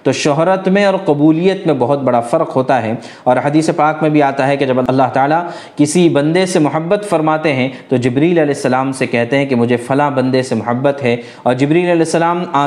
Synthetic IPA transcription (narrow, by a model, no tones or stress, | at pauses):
t̪oʃɔɦɾət̪mẽɔːɾqɐbuːlijət̪mẽbɐɦʊt̪̚bɐɽafɐɾqɦoːt̪aɦɛ | ɔːɾɦɐd̪iːsepaːkmẽbʱiaːt̪aɦɛked͡ʒɐbɐɐlːaɦt̪aːla | kɪsibɐ̃nd̪esemʊɦəbːət̪fɐɾmaːt̪eɦɛ̃t̪od͡ʒɪbɾiːlɐlɛːsːɐlaːmsekɛɦt̪eɦɛ̃kemʊd͡ʒʱefɐlabɐ̃nd̪esemʊɦəbːət̪ɦɛ | ɔːɾd͡ʒɪbɾiːlɐlɛːsːɐlaːmaː